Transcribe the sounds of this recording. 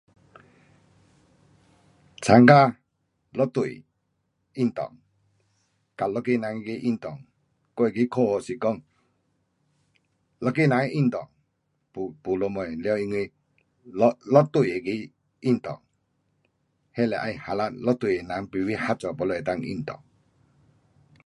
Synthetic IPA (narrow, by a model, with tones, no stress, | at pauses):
t͡sʰa˨˧ŋɡa˦˨ | lɔ˦t̪u˨j | i˦nt̪ɔ̰˨ŋ | ka˨lɔ˦ke˦˧na˨˦ŋi˧ki˧ʔi˦nt̪ɔ˨ŋ | kɔ˦˨ki˧˦kʰo˦ɔ˨si˨kɔ˦ŋ | lɔ˧ki˦˨na˨˦ŋ˦i˦nt̪ɔ˨ŋ | pu˨pu˨lɔ˧mɔ˨jlɛ˧˦wi˧ŋɯ˧j | lɔ˦t̪u˨je˨ki˧˦ | i˦nt̪ɔ̰˨ŋ | hɛ˦˨lɛ˨ʔa˧jha˨la˦t̪̚lɔ˦t̪u˨je˨na˨˦ŋpi˨wi˦ha˦t͡ʃɔ˨pɔ˧lɔ˧˨ɛ˨t̪a˧˨ŋḭ˦˧nt̪ɔ̰˨ŋ